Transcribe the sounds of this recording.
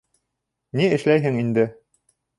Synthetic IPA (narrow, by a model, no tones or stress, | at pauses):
niɘ̆ʃlæjɦɘŋind̪ɘ